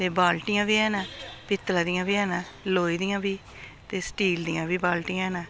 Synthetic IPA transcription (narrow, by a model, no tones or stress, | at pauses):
t̪eːbaːlʈɪjãːbiːɛːnaːpɪt̪ːlaːd̪ɪjãːbiːɛːnãː | loːiːd̪ɪjãːbiː | t̪eːsʈiːld̪ɪjãːbiːbaːlʈɪjãɛːnãː